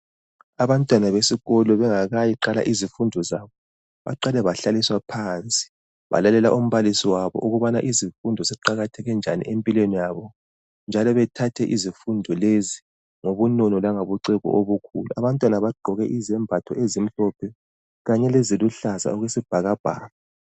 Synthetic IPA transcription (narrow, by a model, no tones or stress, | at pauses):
aβantʼwanaβesiɣɔlɔβɛŋaɣajiǃala̰ʔizifundʱɔzaβɔ | βa̰ǃalɛβaɬaliswapʰant͡sʼi̥ | βa̰lalɛla̰ʔum̩βalisiwaβɔ̰ʔuɣuβanaʔizifundʱɔsɛǃaɣatʰɛɣɛnd͡ʒʱanḭʔempʼilwenijaβɔ | nd͡ʒʱalɔβɛtʰatʰɛʔizifundʱɔlezi | ŋoβunɔnɔlaŋoβuǀiɣɔ̰ʔoβukʰṵluaβantʼwanaβaɡ͡ǃʱɔɣɛʔizɛmbʱatʰɔezim̩ɬɔpʰɛ | ɣaɲɛleziluɬaza̰ɔɣwesib̥ʱaɣab̥ʱa̰ːla